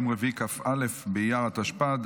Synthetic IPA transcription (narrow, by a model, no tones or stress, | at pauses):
mʁevikafalefbejaʁat̪aʃpad̪